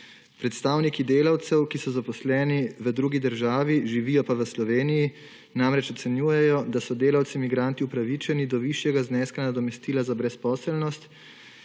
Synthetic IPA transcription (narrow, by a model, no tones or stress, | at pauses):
pɾɛt̪st̪aːwnikid̪eːlawt̪sɛwkisɔzapɔslɛːniʋəd̪ɾuɡid̪əɾʒaːʋiʒiʋiːjɔpaʋəslɔʋeːniji | namɾɛt͡ʃɔt̪sɛnjuːjɛjɔd̪asɔd̪eːlawt̪simiɡɾaːnt̪iupɾaʋit͡ʃɛnid̪ɔʋiʃjɛɡaznɛːskanad̪ɔmɛst̪iːlazabɾɛspɔːsɛlnɔst̪